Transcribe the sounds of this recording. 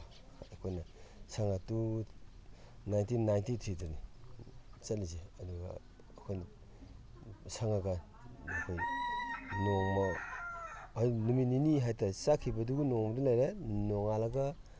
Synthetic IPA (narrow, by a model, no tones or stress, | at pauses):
akʰojnɐsaŋatu | najntinajntitʰɾitɔni | t͡ʃɐlizeɐduɡa̰ː | kʰojn | saŋaɡa | nakʰoj | noŋmɐ | numininiɦajtɐsakʰibɐduɡunoŋmɐdulajɾenoŋalaɡa